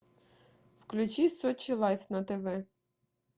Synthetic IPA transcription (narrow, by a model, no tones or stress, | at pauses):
wklʲʊt͡ʃijsɔt͡ʃilˠɑjfnɐt̪eʋɛ